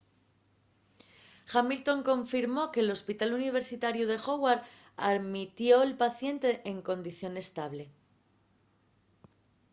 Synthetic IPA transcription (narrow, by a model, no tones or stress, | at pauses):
xamilt̪o̞ŋkõ̞ɱfiɾmo̞ke̞ːlo̞spit̪aluniβ̞e̞ɾsit̪aɾjuðe̞xo̞waɾ | aðmit̪jo̞elpaθje̞nt̪e̞ʔeŋkõ̞nd̪iθjo̞ne̞st̪aβ̞le̞